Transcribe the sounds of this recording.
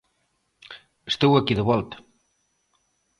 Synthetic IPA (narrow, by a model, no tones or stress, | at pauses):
əst̪ewɐkiðəβɔlˠt̪